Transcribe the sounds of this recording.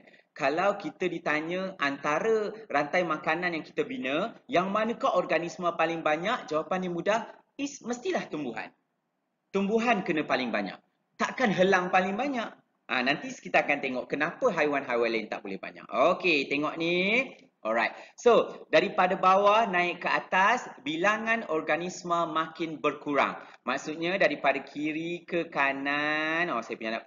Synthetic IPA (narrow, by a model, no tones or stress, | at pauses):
kalawkit̪ədit̪aɲə̃ʔant̪aɾərant̪ajmakananjaŋki̥t̪əbinəjaŋmanə̃kaʔɔrɡanismə̃palɪŋbaɲaʔd͡ʒawapanimudah | isməst̪ilaht̪umbuɦa̰n | t̪umbuɦankənə̃palɪŋba̰ɲa̰ʔ̚ | t̪aʔkanɦəlaŋpalɪŋbaɲaʔ | ʔa̰nant̪isə̥kit̪akant̪eŋɔʔkənãpəɦajwanɦajwalaint̪a̰ʔbolɛhba̰ɲa̰ʔoket̪eŋɔʔni | ʔɔlɾajt̪̚sodaɾipadabawahnãɪʔkːəat̪asbilaŋãnɔrɡanismə̃makɪnbərkuɾa̰ŋ | maʔsut̪̚ɲadaɾipadakʰiɾikəkananɔsajəpuɲanap